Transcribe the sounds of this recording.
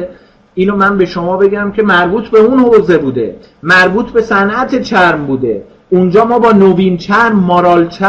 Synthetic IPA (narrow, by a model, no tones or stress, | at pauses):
ʔiːnomænbe̞ʃomɒːbe̞ɟæmcʰe̞mæɾbuːt̪ʰbe̞unhoːze̞buːd̪e̞̰ | mæɾbuːt̪ʰbe̞sænʔæt̪ʰet͡ʃʰæɾmbuːd̪e̞̰ | und͡ʒɒːmɒːbɒːnoviːnt͡ʃʰæɾmːɒːɾɒːlt͡ʃʰæ